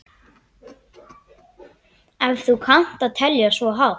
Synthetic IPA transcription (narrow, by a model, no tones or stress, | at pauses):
ɛvθukʰan̥t̪aðt̪ʰɛljasvɔɦaw